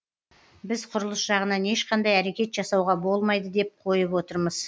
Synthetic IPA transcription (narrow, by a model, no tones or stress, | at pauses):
bɪz̥qʰʊɾəlˠəsʒɑʁənɑne̞ʃqʰɑnd̪ɑjæɾe̞kʲe̞t̪ʒɑsɑwʁɑbo̞lˠmɑjd̪əd̪e̞p̚qʰo̞jəpwo̞t̪əɾməz̥